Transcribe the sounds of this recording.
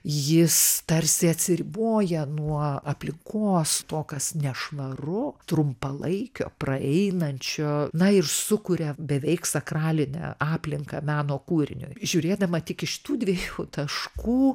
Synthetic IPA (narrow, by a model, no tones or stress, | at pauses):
jɪst̪ɐɾʲsʲɪɐt̪ʲsʲɪɾʲɪboːjɛnuɔɐpʲlʲɪŋkʰoːst̪oːkɐsnʲɛʃʋɐrʊt̪ɾʊmpɐlˠɐɪkʲo̰ːprɐɛɪnɐnʲt͡ʃʲoːnɐɪrsʊkʊɾʲɛbʲɛʋʲɛɪksɐkrɑːlʲɪnʲɛ̰ːɑːpʲlʲɪŋkɐ̰mʲæːnoːkuːɾʲɪ̰nʲʊ̰jʒʲuːɾʲeːd̪ɐmɐt̪ʲɪkɪʃʃʲɪ̥t̪uːd̪ʲʋʲiːjuːt̪ɐʃkuː